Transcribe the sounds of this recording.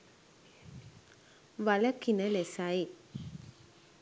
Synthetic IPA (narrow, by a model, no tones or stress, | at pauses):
ʋaləkinəlesaj